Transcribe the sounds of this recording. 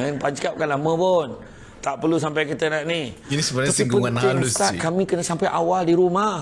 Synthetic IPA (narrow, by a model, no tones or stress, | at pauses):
anpaɲt͡ʃkap̚kanlamə̃pʊn | t̪aʔpərlus̬ampajkit̪ənaʔniinisəbəaɲasiŋɡpuŋanɪlust̪aʔkamĩkənə̃sampajʔawaldiɾuma